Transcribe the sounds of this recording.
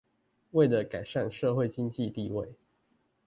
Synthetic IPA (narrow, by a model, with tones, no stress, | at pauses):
we˥˩ɪlə˨ka˨˩ɪʂa˥˨nʂɤ˥˧xwe˥˨ɪt͡ɕi˦ŋt͡ɕi˥˧t̪i˥˧we˥˨˩ɪ